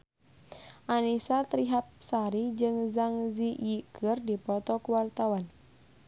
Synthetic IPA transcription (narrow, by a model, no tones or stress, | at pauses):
ʔanisat̪ɾiɦap̚saɾid͡ʒɨŋzaŋzijikʰɨrdipɔt̪ɔkuwart̪awan